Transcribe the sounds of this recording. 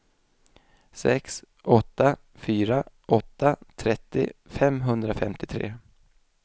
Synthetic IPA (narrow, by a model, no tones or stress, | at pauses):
sɛ̰ks | ʔɔt̪ːa | fyːɾa | ʔɔt̪ːat̪ʰɾɛt̪ːɪ̰fɛmɦɵnd̪ɾafɛmt̪ʰɪt̪ʰɾḛː